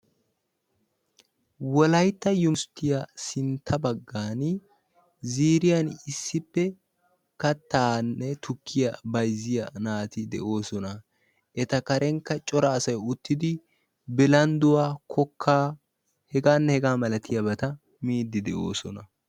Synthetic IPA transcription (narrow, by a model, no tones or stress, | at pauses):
wɔlɐjt̪ːɐjʊmst̪ːɪjasɪnt̪ʰːɐbɐɡːaːn | ziːɾɪjɐnɪsːɪpːɛ | kɐt̪ːaːnːɛt̪ʊkʰːɪjɐbɐjzːɪjɐnaːt̪ɪd̪ɛ̰ʔo̞ːsɔnɐ | ʔɛt̪ɐkɐɾɛŋkːɐt͡ʃʼɔɾɐːsɐjʊt̪ːɪd̪ɪ | bɪlɐnd̪ʊwaːkʰɔkʰːaː | hɛɡaːnːɛhɛɡaːmɐlɐt̪ʰɪjɐbɐt̪ɐ | miːd̪ːɪd̪ɛʔo̞ːsɔnɐ